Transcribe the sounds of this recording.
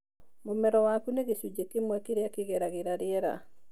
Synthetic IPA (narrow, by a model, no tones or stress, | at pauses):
momɛɾɔwakuneɣesud͡ʒekemwɛkeɾeakeɣɛɾaɣeɾaɾeɛɾa̰